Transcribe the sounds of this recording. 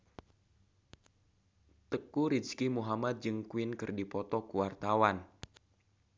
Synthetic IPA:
t̪əkuɾit͡ʃkimuɦamat̪̚d͡ʒɨŋkuɪnkɨrdipɔt̪ɔkuwart̪awan

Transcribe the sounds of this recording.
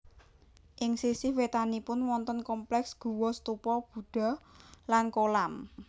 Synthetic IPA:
ʔɪŋsisɪwet̪anipʊnwɔnt̪ɔnkɔmplɛksɡ̥ṳwɔst̪upɔb̥ṳɖ̥ɔ̤lankolam

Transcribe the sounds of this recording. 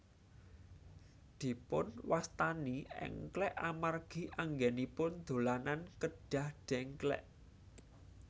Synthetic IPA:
d̪̥i̤pʊ̰nwast̪aniɛ̰ŋklɛʔamarɡ̥i̤ʔaŋɡɛnipʊnd̪̥o̤lanankəɖ̥ä̤hɖ̥ɛ̤ŋklɛ̰ʔ

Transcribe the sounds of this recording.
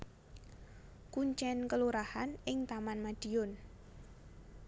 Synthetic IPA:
kuɲt͡ʃɛnkəluɾahanɪŋt̪amanmad̥iʊn

